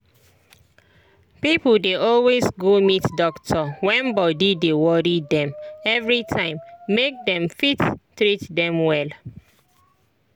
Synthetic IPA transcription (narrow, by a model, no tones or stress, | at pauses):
pipl̩deʔɔlwesɡomitdɔktʰɔwɛ̃nbɔdidewɔɹidɛ̃mɛvɹitʰãɪ̃mːek̚dɛ̃mfittɹitdɛ̃mwɛl